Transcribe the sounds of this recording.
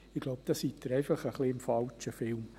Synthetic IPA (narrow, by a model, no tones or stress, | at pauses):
ɪɡ̥loʊp̚d̥̪ɑsit̪ːəɾɛɪfɑχəχliɪmfɑlt͡ʃəfɪlm